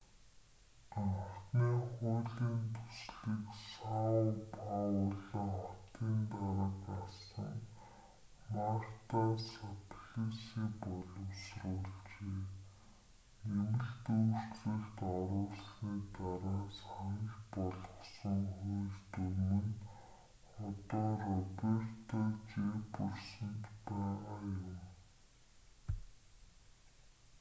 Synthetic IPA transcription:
aŋt̪niːχʊːɮiːnt̪ʰu̥sɮiːksaʊpʰaʊɮə̆ŋχɔt̪iːnt̪aɾə̆kasə̆ŋ | mar̥t̪ʰasat̪ʰɮisiːpɔɮɞ̆ʊwsrʊːɮt͡ɕeː | emɘ̆ɮt̪uːr̥t̪rɘ̆kt̪ɔɾʊːɮsniːt̪aɾaːsaŋkpɔɮɞ̆χsə̆ŋχujɮt̪ɵɾmɘ̆n | χɔt̪ɔːrɔpert̪ʰat͡ɕepɔrsə̆nt̪pæːajʊm

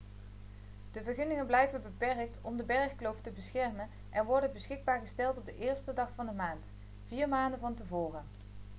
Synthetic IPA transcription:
d̥əvəɹχɵnɪŋənblɛjvənbəpɛrk̚tɔmdəbɛɹχklowftəbəsχɛɹmən | ʔɛnʋɔɹdənbəsχɪɡ̚baːɹχəstɛlˠtɔb̚dəʔɪːɹstədɑχfɑndəmaːnt | viːɹmaːndənvɑntəvoːrə

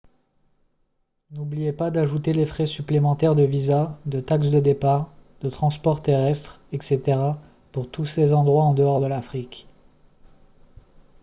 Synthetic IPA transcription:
nublijepad̪aʒut̪elefχɛsyplemɑ̃t̪ɛʁd̪əvizad̪ət̪aks̬d̪əd̪epaʁd̪̥ət̪χɑ̃spɔʁt̪eʁɛst̪χ | ɛkset̪eʁa | puʁt̪usezɑ̃d̪ʁwaɑ̃d̪əɔʁd̪əlafχikʲ

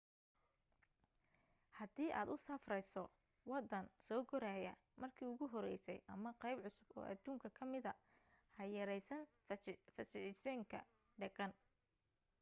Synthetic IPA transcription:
hɐd̪iːʔa̰ːd̪ʊsɐfrɛjsɔ | wɑd̪ɐnsɔːɡɔɾaːjɐ | mʔɐrkʰiːʊɣʊɦɔɾɛjsɛ̰jʔɐmɐqɛjbʕʊsʊbɔ̰ːʔɐ̰d̪uːŋkʰɐkʰɐmɪðɐhɐjɐɾɛjsɐn | fɐsɪʕɪsɔŋkʰɐ̰ | ɖɐɣɐn

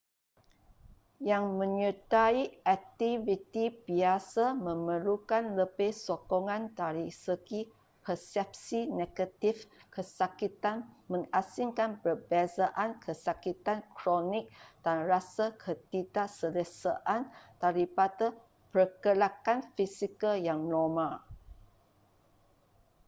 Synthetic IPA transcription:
jaŋmə̃ɲət̪aiak̚t̪ivit̪ibiasamə̃məlukanləbehsɔkɔŋãndaɾisəɡi | pʰərsɛp̚sineɡət̪ifkʰəsakit̪anmə̃ŋasiŋkanpərbazaʔankʰəsakit̪ankɾɔnɪk̚d̥anrasakʰət̪idaʔsələsaʔantaɾipada | pərkəlakanfisikəljaŋnɔmãl

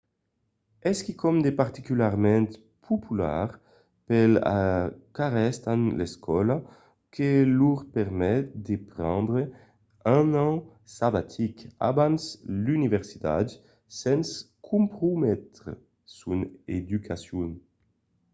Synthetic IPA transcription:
ɛskikɔmd̪epaʁt̪ikylaʁmɛ̃nt̪ | pʰopʰyla̰ʁ | pela̰kaʁɛst̪anleskʰɔla | keluʁpɛʁmɛt̪̚d̪epɾɑ̃nd̪ʁe | ãnɑ̃ | sabat̪ʰika̰bãnslynivɛʁsi̥t̪a̰d̪ | sɛns | kʰũmpɾumɛt̪ʁḛ | suned̪ykʰasjun

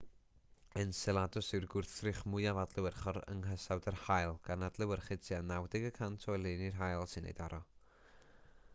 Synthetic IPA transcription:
ənsɛlˠadʊsɪwrɡʊrθrɨχmʊjavadlˠɨwərχɔɾə̰ŋɦəsawdərhajlˠɡ̥anadlˠɨwərχɪdtʰianawdɪɡəkʰantʰɔjlˠɪnirɦajlˠsɨnḛjd̥ɔɾɔ

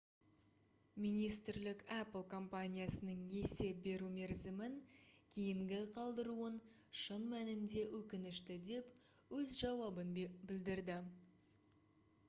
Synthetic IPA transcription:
mijnijst̪ɪɾlɪkapəlˠkʰo̞mpanʲijasənəɴje̞se̞p̚be̞ɾume̞ɾzɪmɪŋkʲʰejɪŋɡʲɪqʰɑlˠd̪əɾuən | ʃənmænɪnd̪e̞wʔɵkʲɪnɪʃt̪ɪd̪e̞p | wɵzʒɑwɑbənbɪld̪ɪɾd̪ɪ

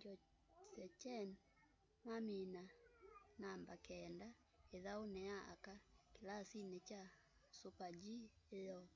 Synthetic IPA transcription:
d͡ʒɔ | t͡ʃɛt͡ʃɛn | mamina | nambakɛnda | eðaonɛaa̰kakelasinet͡ʃa | sopad͡ʒiejɔ

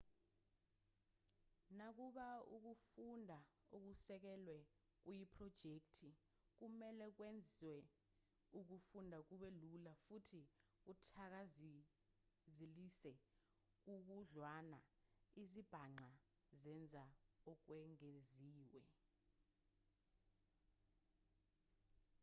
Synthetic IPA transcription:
nak̬uɓauk̬ufundʱauk̬usɛk̬ɛlwɛ | k̬ujipʰʼrɔd̥ʒ̥ʱek̚tʰi | k̬umɛlɛk̬wend͡zʱiwɛ | uk̬ufundʱak̬uɓelulafutʰik̬utʰak̬az | zilisɛ | k̬uk̬uɮwanaizib̥ʱaŋ͡ǀa | zɛnd͡zʱaɔk̬wɛŋeziːwɛ

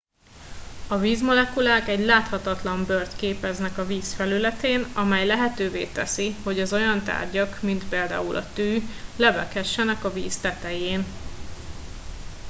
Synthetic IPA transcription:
ɒviːzmo̞lɛkulaːkɛɟlaːt̪hɒt̪ɒt̪lɒmbørt̪keːpɛznɛkɒviːsfɛlylɛt̪eːnɒmɛjlɛɦɛt̪øːvḛːt̪ɛsiho̞ɟɒzo̞jɒnt̪a̰ːrɟɒkmint̪peːld̪a̰ːulʔɒ̰t̪yːlɛvɛkhɛʃːɛnɛkɒviːst̪ɛt̪ɛjeːn

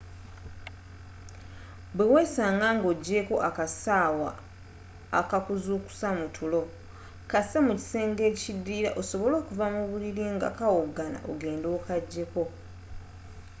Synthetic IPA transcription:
bweweːsaːŋɡaːŋɡo̞ɟːe̞ko̞ʔakasaːwa̰ː | kakuzuːku̥samutʰulo̞ | kasemuci̥se̞ːŋɡe̞ːcidːiːɾa̰ʔoso̞βo̞lo̞ːkuvamuβuliɾiŋɡa̰kawoɡːana̰ʔo̰ɡe̞ːndo̞ːkaɟːe̞ko̞

